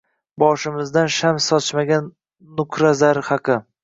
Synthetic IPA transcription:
bɒʃɪmɪzd̪anʃamsɒt͡ʃmaɡʲanː | ʊkʰɾazaɾhɑqʰɨ

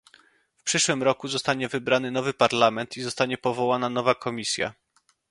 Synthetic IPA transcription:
fpʂɘʂwɘmɾɔkuzɔst̪aɲɛvɘbɾanɘnɔvɘpaɾlamɛnt̪izɔst̪aɲɛpɔvɔwananɔvakʰɔmʲisʲja̰

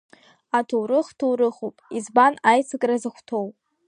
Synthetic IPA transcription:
atʰowɾɨχtʰowɾɨχopʼizbanajt͡sʰɨkʼrazɨχʷtʰowpʼ

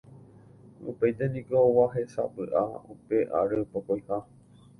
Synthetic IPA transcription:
ṵpejt̪enĩkoʋaɦesa̰pɨ̰ʔa̰upeʔa̰ɾɨpokojha

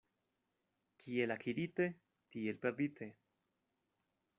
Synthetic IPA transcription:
kʰielakʰiɾit̪e | t̪ielpeɾd̪it̪ʰe

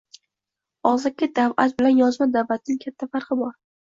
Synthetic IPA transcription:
ɒzakʲːad̪avʔat̪bɪlanjɒzmad̪avat̪̚nɪŋkʲʰat̪ʰːafaɾqɨbɒɾ

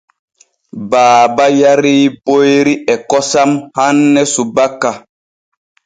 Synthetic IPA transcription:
baːbajaɾiːpojɾiɛkɔsamhanːɛsubakːa

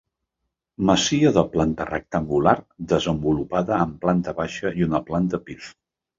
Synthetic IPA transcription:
məsiəðəplant̪ərə̰k̚t̪əŋɡulard̪əzəmbulupaðəːmplant̪əβaʃəiunəplant̪əpif

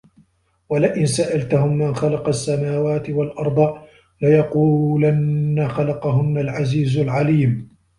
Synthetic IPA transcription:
walɪʔɪnsaʔalt̪ahʊmːanxalɑqɑsːamaːwaːt̪ɪwalʔɑɾˤd̪ˤɑ | lɪjɑquːlanːaxalɑqɑɦʊnːalʕaziːzʊlʕaliːm

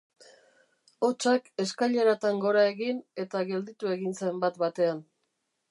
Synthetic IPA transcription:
ot͡ʃake̞skaʎe̞ɾat̪aŋɡo̞ɾaeɣine̞t̪aɣe̞ld̪it̪ue̞ɣinse̞mbat̪bat̪e̞an

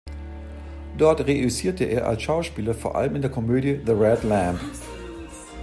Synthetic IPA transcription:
d̥ɔɐtʁeysiːɐtəʔeːɐʔa̰lsʃaʊʃpiːlɐfoːɐʔa̰ləmɪndeːɐkʰɔmøːdjəðəʁɛdlæ̃nd

